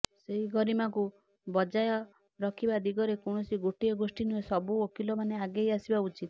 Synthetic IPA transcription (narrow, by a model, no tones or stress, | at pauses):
seɦiɡɔɾimaku | bɔd͡ʒajɔ | ɾɔkʰibad̪iɡɔɾekɔɳ̃ɔsiɡoʈiɔɡosʈinuesɔbuokilɔmaneaɡejasibaut͡ʃit̪